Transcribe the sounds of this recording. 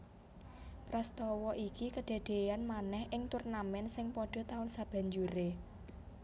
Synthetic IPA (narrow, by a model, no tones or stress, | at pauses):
pɾast̪ɔwɔʔikikəɖ̪̥a̤ɖ̪̥e̤janmanɛhʔɪŋt̪urnamɛnsɪŋpɔɖ̥ɔ̤t̪aʊnsab̥a̤ɲd͡ʒuɾe